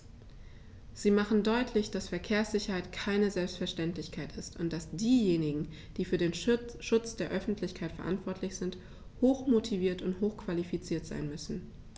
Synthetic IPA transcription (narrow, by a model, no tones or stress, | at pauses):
z̥iːmaχn̩dɔʏtʰlɪçd̥asfɛɐkʰeːɐsz̥ɪçɐhaɪtkʰaɪnəzɛlpstfɛɐʃtɛntlɪçkʰaɪtɪstʊnt̚d̥asd̥iːjeːnɪɡŋ̩ | d̥iːfyːɐdeːnʃʊt͡sd̥eːɐʔœfn̩tʰlɪçkʰaɪtfɛɐʔa̰ntv̥ɔɐtʰlɪçz̥ɪnt | hoːxmotʰiviːɐtʊnthoːxkv̥alifit͡siːɐtz̥a̰ɪnmʏsn̩